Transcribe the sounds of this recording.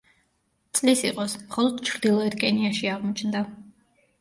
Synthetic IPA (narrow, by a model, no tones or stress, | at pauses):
t̪sʼlisiqʼɔsmχɔlˠɔd̪̥t͡ʃʰɾd̪ilˠɔɛt̪kʼɛniaʃiaʁmɔt͡ʃʰnd̪a